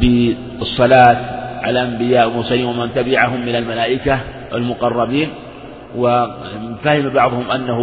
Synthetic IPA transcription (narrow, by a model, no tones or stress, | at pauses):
bɪ | ɨsˤːɑlaːt̪ʕa̰laʔambɪjaːʔmʊɾsaliːnwamant̪abɪʕaɦʊmːɪnalmalaːʔɪka | ʔɪ̰lmʊqɑrˤːɑbiːn | wafahɪmbɑʕðˤhʊmʔanːah